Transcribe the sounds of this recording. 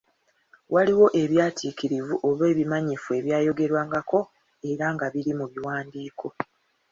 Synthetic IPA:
waliwo̞ʔe̞βjaːtʰikiɾivuʔo̞βe̞ːβimaɲifue̞βjaːjo̞ɡe̞ɾwaːŋɡako̞ | e̞ɾaŋɡaβiɾimuβiwaːndiːkʰo̞

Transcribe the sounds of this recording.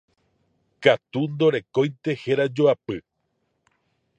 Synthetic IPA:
kat̪und̪o̞ɾe̞kõ̞jnt̪e̞heɾad͡ʒoapɨ

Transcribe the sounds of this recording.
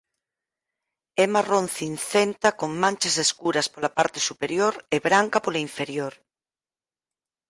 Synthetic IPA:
emarõn̟θinθent̪akoŋmãnt͡ʃaseskuɾɐspolapaɾt̪e̥supeɾjoɾeβɾaŋkapolaiɱfeɾjoɾ

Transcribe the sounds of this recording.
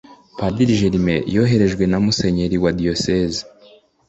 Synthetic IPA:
padiɾiʒeɾimejo̞ːɦe̞ɾe̞ʒɡwe̞namuse̞ɲe̞ɾiwadiosezi

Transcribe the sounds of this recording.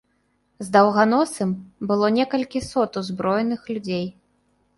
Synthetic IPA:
zd̪ɐwɣanɔsɨmbɨlˠɔnʲɛkɐlʲkʲisɔt̪uzbɾɔjɛnɨxlʲud͡zʲej

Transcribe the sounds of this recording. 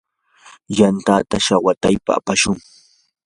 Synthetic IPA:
jant̪at̪aʃawat̪ajpa̰a̰paʃʊŋ

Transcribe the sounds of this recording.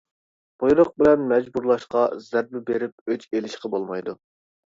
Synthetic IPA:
b̥ojɾoq̚bɪlɛnmɛd͡ʒbuɾlˠɑʃqɑzæɾ̚mɪbeɾɪp̚øt͡ʃelɪʃqəbolˠmɑjd̪u

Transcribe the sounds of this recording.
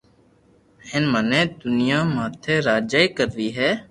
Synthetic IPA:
hɪnmənẽːd̪ʊnɪjãːmaːt̪ʰeːɾaːd͡ʒaːiːkəɾʋiːɦɛː

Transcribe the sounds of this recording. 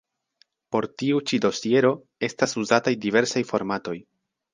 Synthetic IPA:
po̞ɾtiut͡ʃido̞sie̞ɾo̞ | e̞stasuzatajdive̞ɾsajfo̞ɾmato̞j

